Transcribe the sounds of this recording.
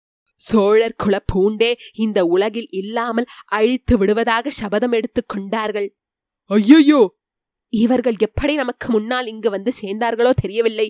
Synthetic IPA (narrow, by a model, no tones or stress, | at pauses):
soːɻɐɾkʰɯɭɐpʰːuːɳɖeːɪnd̪ɐʊɭɐɣɪlʔɪlːaːmɐlʔɐɻɪt̪ːɯʋɪɽɯʋɐðaːɣɐsɐbɐðɐmɛɽɯt̪ːɯkːɔɳɖaːɾɣɐɭ | ɐjːɐjoː | ɪʋɐɾɣɐɭɛpːɐɽinɐmɐkːɯmʊnːaːlɪŋɡɯʋɐnd̪ɯseːnd̪aːɾɣɐɭoːt̪ʰɛɾɪjɐʋɪlːɐɪ